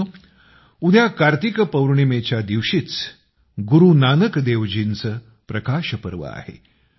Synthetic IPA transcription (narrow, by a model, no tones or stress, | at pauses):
ud̪ʱjakaɾt̪ikəpəwɾɳimet͡ɕjad̪iʋɕiːt͡s | ɡuɾunanəkd̪eʋd͡ʑiːnt͡sə | pɾəkaɕəpəɾʋə̰a̰hḛ